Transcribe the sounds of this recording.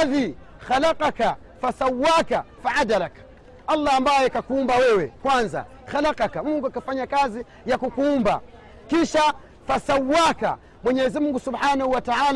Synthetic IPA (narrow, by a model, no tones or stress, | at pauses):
aði | xalaqaka | fasawːakafaʔad̪alak | alːaːmbajɛkakuumbawɛwɛkwanza̰ | xalaqɑkamuŋɡuakafaɲakazi | jakukuumba̰ | kiʃa | fasawːaka̰ | mwɛɲɛzimuŋɡusubħanahuwataʕaːl